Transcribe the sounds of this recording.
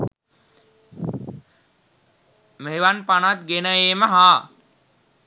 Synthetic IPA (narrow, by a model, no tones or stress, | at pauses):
meʋanpanat̪̚ɡenəjeːməɦaː